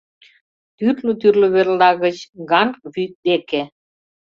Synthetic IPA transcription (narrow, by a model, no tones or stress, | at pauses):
t̪yrløt̪yrløβerlɑɣə̆t͡ɕɣɑnβyt̚d̪eke